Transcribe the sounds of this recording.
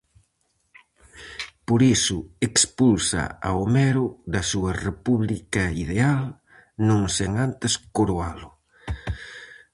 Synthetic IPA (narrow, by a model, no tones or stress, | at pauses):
poɾisʊekspulsa̰a̰omɛɾʊðɐsuɐrepuβlikɐiðeal | nõŋseŋant̪eskoɾoalʊ